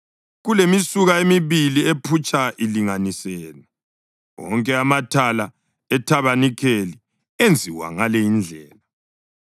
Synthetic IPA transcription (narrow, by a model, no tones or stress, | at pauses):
ɣulemisuɣaemiβiliepʰut͡ʃʼaʔiliŋanisɛːlɛ | ɔ̰ŋkʼɛamatʰala | ɛtʰaβanikʰeli | end͡zʱiwa̰ŋalɛind͡ɮʱɛːla